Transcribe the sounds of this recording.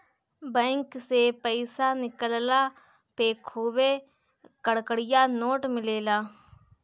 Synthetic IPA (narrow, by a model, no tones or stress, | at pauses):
bɛ̃ːŋksepəɪsaːnɪkəllaː | peːkʰoːʋeː | kəɽkəɽɪjaːnoːʈmɪleːlaː